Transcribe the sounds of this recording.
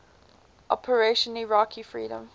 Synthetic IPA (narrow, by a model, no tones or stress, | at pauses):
ʔɔ̰pʰəɹeʃənliɹɔkʰifɹḭːɾə̰̃m